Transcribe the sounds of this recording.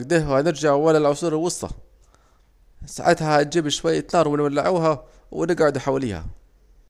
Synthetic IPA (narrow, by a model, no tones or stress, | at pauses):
ɡd̪ɪhwanɪɾd͡ʒaʕwalalʕʊsuːɾɪlwʊsːˤɑ̰ | sa̰ʕat̪hahat̪̚d͡ʒiːbʃwajːat̪nɑːɾˤwɪnwalːaʕuːɦa | wɪnɪɡʕʊd̪uħawaliːha̰